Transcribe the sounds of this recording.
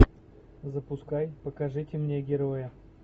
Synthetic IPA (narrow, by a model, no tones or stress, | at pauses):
zəpuskajpəkaʐɨtʲɪmnʲeɡʲɪɾojə